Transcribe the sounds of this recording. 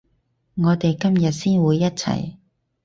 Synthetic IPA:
ŋɔː˨˧t̪e˨jkɐ˥mjɐ˨t̚siː˥nwuː˨˧jːɐ˥t̚t͡sʰɐ̰˨˩j

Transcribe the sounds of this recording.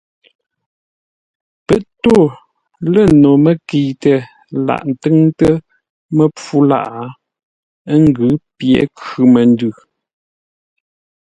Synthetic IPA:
pə˦ʔto˦˨ | lə˨no˨mə˦ki˨tə˨ | la̰˨ʔn̩˨tɨ˦ŋtə˦ | mə˦p͡fu˦la̰˦ʔa˨˦ | ŋ˦ɡʉ˨˦pjɛ̰˨˦kʉ˨mə˨n˦dʉ˨

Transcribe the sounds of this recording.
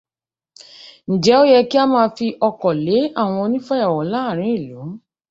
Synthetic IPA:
n̩˨d͡ʒɛ˨˦o˦jɛ˧ki˦a˦mãː˧fi˧ʔɔ˧kɔ˨le˨˦a˦˨w̃ɔ̃˧o˧nĩ˦fa˦ja˦˨wɔ˨˦la˦˨ɾ̃ĩ˨˦i˦˨lu˨˦

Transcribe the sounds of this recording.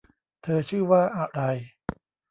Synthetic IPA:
t̪ʰɤː˧t͡ɕʰɯː˥˩waː˥˩ʔa˨˩ɾa˧j

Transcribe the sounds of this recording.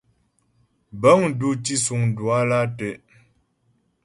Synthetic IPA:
ba˦ŋ˨du˦˨ti˦su˨ŋ˨dwa˦la˦tɛ˨

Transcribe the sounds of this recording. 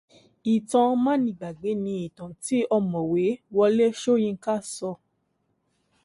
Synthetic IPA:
i˨tã˧mã˦nĩ˧˨ɡ͡ba˨ɡ͡be˨˦nĩ˧i˨tã˨ti˨˦ɔ˧mɔ̃˨we˨˦wɔ˧le˦ʃo˦˨jĩ˧ŋ̩˦ka˦˨sɔ˧

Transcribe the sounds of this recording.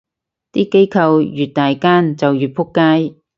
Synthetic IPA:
t̪iː˥ke˥jkʰɐ˧wjyː˨˩t̚t̪aː˨jkaː˥nt͡sɐ˨wjyː˨˩t̚pʰʊ˥kːaː˥j

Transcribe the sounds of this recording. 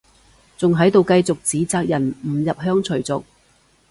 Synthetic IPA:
t͡sʊ˨ŋɦɐ˨˥jt̪o˨wkɐ˧jt͡sʊ˨k̚t͡siː˨˥t͡saː˧k̚jɐ˨˩nm̩˨˩jɐ˨p̚ɦœː˥ŋt͡ʃʰɵ˨˩t͡sʊ˨k̚

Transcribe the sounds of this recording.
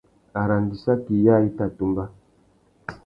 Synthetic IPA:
a˨ɾa˨n˨di˨sa˦ki˨ja˦˨i˦ta˦˨tu˦mba˦

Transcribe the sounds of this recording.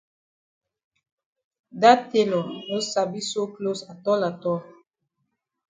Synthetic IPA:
da˦te˦lɔ˨no˦sa˨bi˦so˦klo˦sa˨tɔ˦la˨tɔ˦

